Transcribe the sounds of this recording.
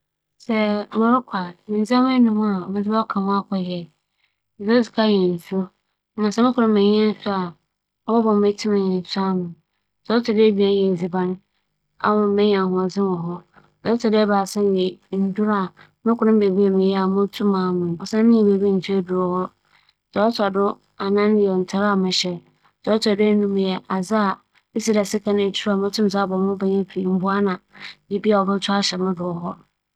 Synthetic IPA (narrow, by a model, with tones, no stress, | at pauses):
sɛ˦mʊ̃˦ɾʊ˦kʷʰa˨mɪ̃˨n˨zã˦mʊ̃˦ɛ˦nʊ̃˦hʊ̃˦a˨ɔ˨mɪ̃˨˦d͡zɪ˦a˦kʰã˨mʊ̃˦a˦kʰɔ˨jɛ˨ | so˦sɪ˨kʰa˦˨jɛ˨n̩˨su˦o˦ | mã˨sɛ˦mɪ̃˦kʊ˨ʊ̃˦m˦mɪ̃˨ɲ˦ɛ̃˦n̩˦sʊ˦a˨ | ɔ˦bɔ˦bɔ̃˨m˨e˦tʰi˦ã˨ɲɛ̃˨n̩˨sʊ˦a˦mʊ̃˨ | sɛ˨˦ɔ˦tʰʊ˨de˦bi˨a˦n˦jɛ˨zi˨ba˦ñ˦ | a̰˦mʊ̃˨˦mɪ̃˦ɲ˨a˨hʊ̃˨a˨d͡zɪ̃˦mɔ˨ɦɔ˦ | ɔ˨˦tʰʊ˨dɪ˦ba˨sɛ̃˦˨ɛ˨n̩˨du˦ɾa˨ | mɪ̃˦kʰʊ˨nʊ̃˦m̩˦be˨bi˦a˨mɪ̃˨jɛ˦a˨mʊ̃˦tʰũ˦mãː˨mʊ̃˨n˨ɔ˨sã˦mɪ̃˦ĩ˨be˨bi˦n̩˨tʰi˦a˦dʊ˨ɾhɔ˦ | sɛ˨ɔ˦tʰa˨dʊ˦ | a˨nã˦n˨ɛ˨n̩˨tʰa˦ɾa˨mɪ̃˨ɕɛ˨ | sɔ˨ɔ˦tʰɔ˨de˦nũ˦m˨jɛ˨ʔa˨za˦a˨ | ɪ˦si˦ɾa˨sɪ˦kʰã˦n˨e˨tʰu˦a˨mʊ̃˦tʰʊ̃˦m˨s̬a˦˨bɔ˨mʊ̃˦ba˦ɲã˦pʰɾi˨m̩˦bʊ˦a˦nã˨ji˨bi˦a˨ɔ˨bʊ˦tʰʊ˦a˦ɕɛ˨mʊ̃˦dʊ˨ɔ˨˦ɦɔ˦